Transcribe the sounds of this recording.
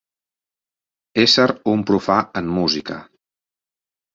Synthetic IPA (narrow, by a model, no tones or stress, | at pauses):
esəɾumpɾufaəmːuzikə̰